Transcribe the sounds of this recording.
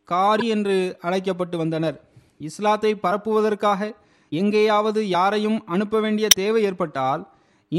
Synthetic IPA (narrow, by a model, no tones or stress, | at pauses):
kaːɾiɛndrɯɐɻɐɪk̬ːɐp̬ːɐʈːɯʋɐnd̪ɐnɐɾ | ɪslaːt̪ːɐɪpːɐɾɐpːɯʋɐðɐrkaːɣɐ | ɛŋɡɐjaːʋɐðɯjaːɾɐjɯmɐnɯpːɐʋeːɳɖɪjɐt̪eːʋɐɪeːɾpɐʈːaːl | ɪ